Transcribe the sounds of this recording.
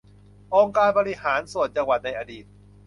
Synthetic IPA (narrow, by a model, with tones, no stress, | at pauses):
ʔoː˧ŋkaː˧nbɔː˧ɾi˦˥haː˩˦nsu˨˩ət̪̚t͡ɕa˧ŋwa˨˩t̪̚na˧jʔaː˧diː˨˩t̪̚